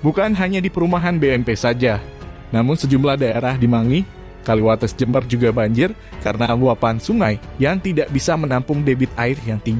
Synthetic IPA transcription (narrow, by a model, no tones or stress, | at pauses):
bukanɦaɲadipəɾumaɦanbeɛmpesad͡ʒa | namʊnsəd͡ʒumlahdaeɾahdimaŋi | kaliwat̪əsd͡ʒəmərd͡ʒuɡabaɲd͡ʒɪr | kaɾənaluapansuŋajjaŋt̪idaʔbisamənampʊŋdebɪt̪̚aɪrjaŋt̪iŋɡi